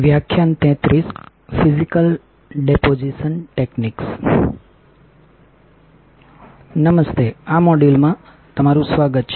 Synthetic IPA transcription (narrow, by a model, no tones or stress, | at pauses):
ʋjakʰjant̪ɛ̃t̪ɾis | fʰizikəl | ɖepod͡ʒiʃənʈekniks | nəməst̪ʰeamɔɖilmã | t̪əmaɾũsʋaɡət̪̚t͡ʃʰ